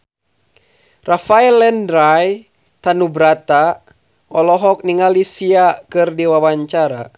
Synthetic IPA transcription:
rafaɛlɛndɾaj | t̪anubɾat̪a | ʔɔlɔɦɔk̚niŋalisiakɨrdiwawaɲt͡ʃaɾa

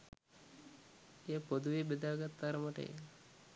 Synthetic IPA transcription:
ejəpod̪uʋebed̪aːɡat̪ːaɾəməʈə̰jə̰

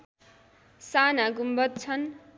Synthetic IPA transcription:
sanaɡumbʌt̪̚t͡sʰʌn

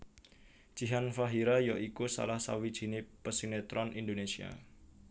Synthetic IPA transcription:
ʒ̥i̤ɦanfaɦiɾajɔʔikusa̰lahsa̰wid̥ʒ̥i̤nɪpəsinet̪ɾɔnʔindonesia̰

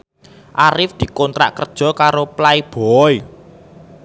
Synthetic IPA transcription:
ʔaɾɪfd̪̥i̤kɔnt̪ɾa̰ʔkərd̥ʒ̥ɔ̤kaɾoplaib̥ɔi

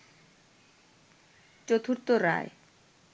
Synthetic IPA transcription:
t͡ɕot̪ʰuɾt̪oɾa̰j

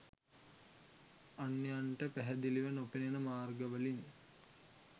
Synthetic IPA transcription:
anːjaɳʈəpæɦæd̪iliʋenopinenəmaːrɡəʋəlin

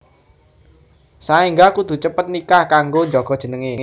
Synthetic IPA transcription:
saiŋɡakud̪̥ṳt͡ʃəpət̪̚nikahkaŋɡod͡ʒoɡ̥ɔ̤d̥ʒ̥ə̤nəŋe

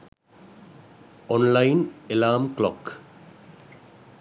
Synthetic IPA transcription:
ɔnlaɪnelaːmklɔk

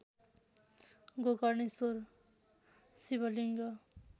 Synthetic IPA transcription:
ɡokʌrnisor | sibʌliŋɡʌ

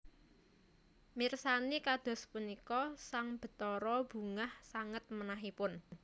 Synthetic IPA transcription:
mirsanikad̪̥ɔ̤spunikɔsaŋb̥ə̤t̪ɔɾɔb̥ṳŋahsaŋət̪̚mənaɦipʊn

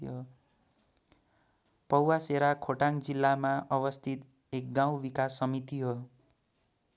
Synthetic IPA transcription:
ɦo | pʌwwaseɾakʰoʈaŋd͡zilːamaʔʌbʌst̪ʰit̪ | ek̚ɡãw̃bikasːʌmit̪iɦo

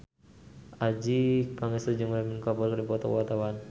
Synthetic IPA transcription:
ad͡ʒikaŋɛsəd͡ʒuŋɾaminkabɔrkədipɔt̪ɔ̰kwat̪awan

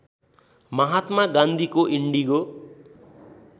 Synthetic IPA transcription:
mʌɦat̪maɡãnd̪ʱikoʔiɳɖiɡo

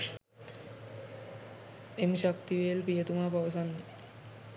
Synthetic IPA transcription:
emʃak̚t̪iʋeːlpijət̪umapaʋsan

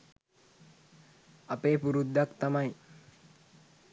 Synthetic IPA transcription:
apeːpuɾud̪ʱːakt̪ɐmaj

